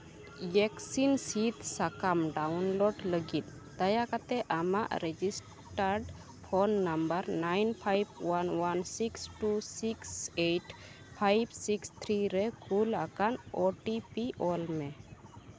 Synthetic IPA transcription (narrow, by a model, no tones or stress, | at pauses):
jɛksinsit̪sakamɖawnloɖləɡit̪̚ | d̪ajakat̪ɛʔama̰ʔɾɛd͡ʒis | ʈaɾɖ | pʰɔnːambəɾnajnpʰajbwanwansiksʈusiksejʈ | pʰajbsikst̪ʰɾiɾɛkulakanoʈipiʔɔlmɛ